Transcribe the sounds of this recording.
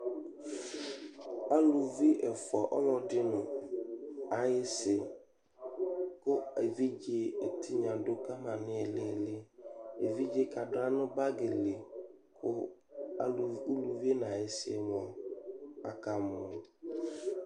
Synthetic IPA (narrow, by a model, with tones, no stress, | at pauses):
a˦lu˨vi˦ʔɛ˨fʊ˨a˨ʔɔ˦ŋɔ̃˨dɪ˦nʊ̃˨ | a˨jɪ˦sɪ˨ | kʊ˦e˨vi˦d͡ʒe˦e˨tʰi˦ɲã˨dʊ˦ka˦mã˨nɪ̃˦ɛ˨lɪ˦˨lɪ˦e˨vi˦d͡ʒe˦ka˨dʊ˦a˦nʊ̃˦ba˦ɡe˨le˨kʰʊ˦a̰˨lu˨u˦lu˨vi˦e˦n˨a˨jɪ˦sɪ˦ɛ˦˨m˨ɔ˨ | a˨ka˦mʊ̃˨